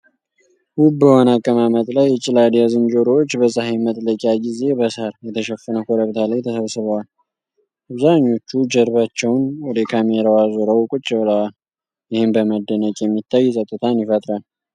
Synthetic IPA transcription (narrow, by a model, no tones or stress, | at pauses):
hub̚bəhonakʼːəmamət̪ʼlajːɛt͡ʃʼɪlad̪ijazɨnd͡ʒoɾot͡ʃːbəsʼəhajmət̪ʼləkʼjaɡize̞bəshəɾjɛt̪ʰəʃɛfːənəkʰʷoɾəβt̪ʰalajt̪ʰəsəβsɨβəwal | ʔaβzaɲːo̞t͡ʃːud͡ʒəɾβat͡ʃːɛwnwɔd̪əkʰameɾawazoɾəwkʼʊt͡ʃʼːɛwləwal | jɪhɪmbəməd̪ːənəkʼjɛmːit̪ʰːajːsʼət̪ʼːɨt̪ʰanjɪfət̪ʼɾal